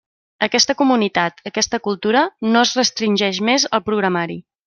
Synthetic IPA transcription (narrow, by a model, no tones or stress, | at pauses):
əkɛst̪əkumunit̪at̪əkɛst̪əkulˠt̪uɾənoəzrəst̪ɾinʲʒɛʃmezəlˠpɾuɣɾəmaɾi